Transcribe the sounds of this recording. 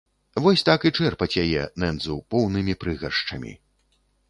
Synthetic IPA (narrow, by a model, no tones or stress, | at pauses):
vɔsʲt̪akit͡ʂɛrpɐt͡sʲjajɛnɛnd̪zupɔwnɨmʲipɾɨɣɐrʂt͡ʂɐ̰mʲḭ